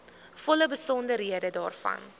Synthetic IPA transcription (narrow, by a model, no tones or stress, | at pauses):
fɔləbəsɔndərɦiiədədɑːrfɐ̰n